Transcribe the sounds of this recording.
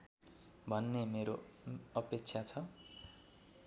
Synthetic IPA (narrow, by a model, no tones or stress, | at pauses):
bʱʌnːemeɾoʌpek̚t͡sʰat͡sʰʌ